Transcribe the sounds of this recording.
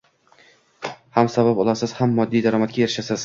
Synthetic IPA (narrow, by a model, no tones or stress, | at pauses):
hamsabapɒlˠasɪz̥hamːɒd̪ːijd̪aɾɒmat̪̚kʲajeɾɪʃasɪz̥